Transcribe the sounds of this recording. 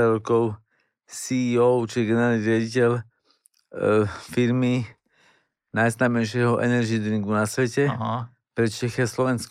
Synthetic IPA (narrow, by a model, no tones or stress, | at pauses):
ɾɔkɔʊ | siɔʊt͡ʃiɡɛnɛɾaːlniɾɪaɟicɛl | fiɾmi | najznaːmɛɪʃɪɛɦɔʔɛ̰nɛɾd͡ʒid̪ɾiŋɡunasʋɛcɛɦ | pɾɛt͡ʃɛxɛaslɔʋɛnsk